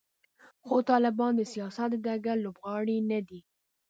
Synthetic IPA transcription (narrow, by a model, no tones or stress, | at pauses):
xot̪ɑlɪbɑnd̪əsijɑsat̪d̪aɡaɾlobɣɑɽinad̪i